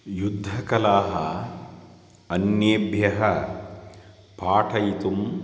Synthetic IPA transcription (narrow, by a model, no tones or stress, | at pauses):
jud̪ʱːɐkɐlaːɦɐ | ɐnjeːbʱjɐɦɐ | paːʈʰɐjit̪um